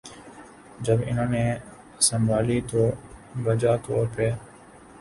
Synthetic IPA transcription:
d͡ʒəbɪnõːneː | səmbʱaːliːt̪oːʋəd͡ʒaːt̪ʰoːɾpeː

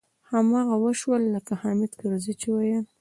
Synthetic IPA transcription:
hamɑɣawəʃwəlːəkahɑmɪd̪kəɾzit͡ʃewajən

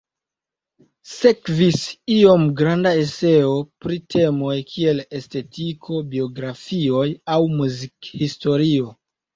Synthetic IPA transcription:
sekvisio̞mɡɾandae̞se̞opɾitʰe̞mo̞jkʰie̞le̞ste̞tʰikʰo̞bio̞ɡɾafio̞jawmuzikhisto̞ɾio̞

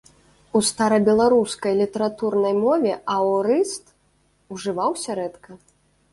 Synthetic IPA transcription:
ust̪aɾɐbʲɛlˠaɾuskɐjlʲit̪ɐɾat̪urnɐjmɔvʲɛʔawɾɨst̪ | uʐɨvawsʲaɾɛt̪kʰɐ

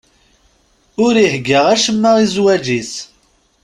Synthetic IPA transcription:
ʊɾiħɡːəʁæʃəmːəʁizwæd͡ʒis

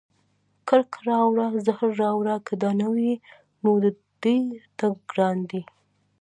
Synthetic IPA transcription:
kəɾkʰɾɑwɾazahɾːɑwɾakad̪ɑnawi | nod̪ə | d̪̥ujt̪aɡɡɾɑnd̪i

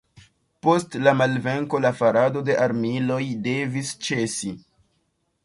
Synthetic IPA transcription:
po̞stlamalve̞ŋko̞lafaɾado̞de̞ʔaɾmilo̞jde̞vist͡ʃe̞si

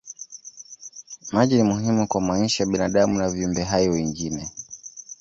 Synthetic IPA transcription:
maʄinimuɦimukwamaɲiʃajaɓinaɗamunaviumbɛɦajɔwɛŋɡinɛ

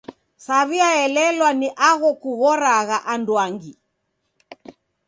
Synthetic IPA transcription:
saβiaɛlɛlwaniʔaɣɔkuɣɔɾaɣaʔandwaŋɡi

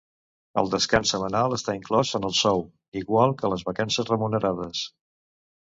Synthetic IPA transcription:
ə̰lˠd̪əskansəmənalˠəst̪aiŋklɔzənəlˠsɔw | iɣwalˠkələzβəkansəzrəmunəɾað̞əs

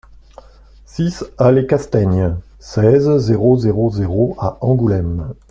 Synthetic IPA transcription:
sisalekast̪aɲ | sɛzːeʁozeʁozeʁoaɑ̃ɡulɛm

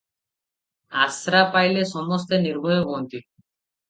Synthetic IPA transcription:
asɾapajleʃɔmost̪eniɾbʱojoɡont̪i

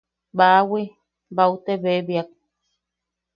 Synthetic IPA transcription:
bawi | bawt̪eβeβjak̚

